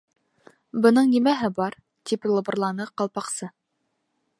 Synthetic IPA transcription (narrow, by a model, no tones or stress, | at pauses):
bɤ̆nɤɴnimæɦɘbɑɾ | t̪iplˠɤ̆bɤ̆ɾlˠɑnɤqɑlˠpɑqsɤ